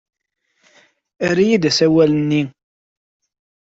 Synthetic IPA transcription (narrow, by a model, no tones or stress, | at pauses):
æɾijid̪æsæwælənːi